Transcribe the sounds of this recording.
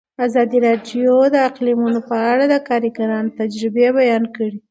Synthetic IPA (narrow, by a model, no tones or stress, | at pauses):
azɑd̪iɾɑɖjod̪əaqlimunopəaɽad̪əkɑɾiɡaɾɑnot̪ad͡ʒɾɪbebajɑnkəɽi